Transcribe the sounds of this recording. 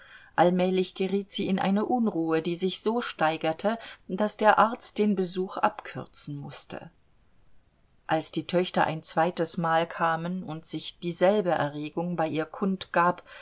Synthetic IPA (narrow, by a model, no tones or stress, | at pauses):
ʔalmɛːlɪçɡ̥əʁiːtz̥iːɪnʔa̰ɪnəʔʊnʁuːədiːzɪçz̥oːʃtaɪɡɐtʰəd̥asd̥eːɐʔaɐt͡st̚d̥eːnbəzuːχʔa̰pkʰʏʁt͡sn̩mʊstʰə̰ | ʔalsd̥iːtʰœçtɐʔa̰ɪnt͡sv̥aɪtəsmaːlkʰaːmənʊntz̥ɪçd̥iːzɛlbəʔɛ̰ɐʁeːɡʊŋbaɪʔiːɐkʰʊntɡ̥aːp